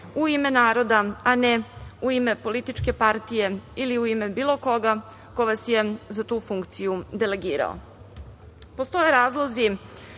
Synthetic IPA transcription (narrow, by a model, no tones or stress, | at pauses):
uime̞naːɾo̞d̪aaneuime̞po̞lit̪it͡ʂke̞paɾt̪ije̞iliuimebiːlˠo̞ko̞ɡa | koʋasjezat̪uːfuŋkt̪sijud̪ele̞ɡiːɾa̰o̰ | post̪o̞je̞ɾaːzlˠozi